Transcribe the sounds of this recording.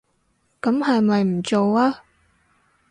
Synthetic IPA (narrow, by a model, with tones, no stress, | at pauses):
kɐ˨˥mhɐ˨jmɐ˨jm̩˨˩t͡so˨waː˥